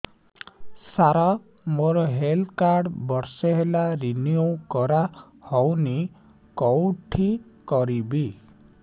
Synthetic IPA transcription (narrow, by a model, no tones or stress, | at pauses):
saɾa | moɾɔɦelkaɾɖbɔɾsɔɦelaɾiniukɔɾa | hɔwni | kɔwʈʰikɔɾibi